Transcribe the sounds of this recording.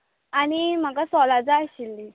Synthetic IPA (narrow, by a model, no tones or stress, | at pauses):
añim̤akasɔlad͡zaːɕilːi